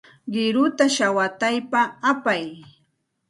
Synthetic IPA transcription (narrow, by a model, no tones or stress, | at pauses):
ɢɪɾʊt̪aʃawat̪ajpaːpaj